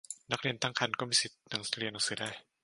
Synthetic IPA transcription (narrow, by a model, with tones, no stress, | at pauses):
na˦˥k̚ɾi˧ənt̪a˥˩ŋkʰa˧nkɔː˥˩miː˧si˨˩t̪̚na˨˧˦ŋsi̥˩ɾi˧na˨˦sɯː˨˦daː˥˩j